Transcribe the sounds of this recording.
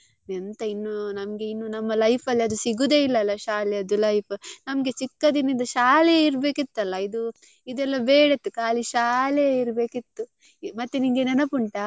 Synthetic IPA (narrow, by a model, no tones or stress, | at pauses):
nent̪ɐinːunɐmɐɡe̞inːunɐmːɐlɐjpʰɐlːiɐd̪usiɡud̪e̞ːilːɐlːɐʃaːleɐd̪ulɐjpʰnɐmɐɡe̞t͡ʃikːɐd̪inind̪ɐʃaːlejiɾɐbe̞ːkit̪ːɐlːɐid̪u | id̪ɛlːɐbeːɽɐt̪ːukaːliʃaːleiɾbe̞ːkit̪ːu | mɐt̪ːenimɡenenɐpuɳʈɐ